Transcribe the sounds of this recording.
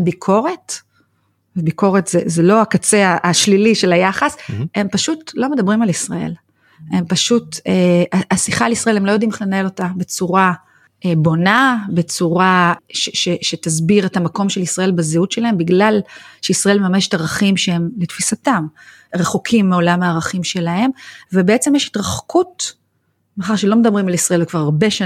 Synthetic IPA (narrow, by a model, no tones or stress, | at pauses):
bikʰo̞ʁe̞t | ebiko̞ʁetzezelo̞akat͡seaʔːʃliliʃe̞lajaχashe̞mpaʃutlo̞me̞dabʁimalisʁae̞̰l | e̞mpaʃuteʔaʔasiχaːlisʁɐae̞lhemlo̞jo̞dimχlenae̞lo̞tabe̞t͡suʁa | ebo̞nabet͡suʁaʃeʃeʃetazbiʁetamako̞mʃelisʁae̞lbezeut̪ʃelahe̞mbiɡlalʃeisʁaʔe̞lmemame̞ʃe̥taʁaχimʃee̞mletfisatam | ʁeχokʰimːeo̞lamhaːʁaχimʃe̞lahe̞mvebeet͡se̞mjeʃi̥tʁaχkʰut | meaχaʁʃe̞lo̞me̞d̪ɐbʁimalisʁaelvekvaʁaʁbe̞ʃa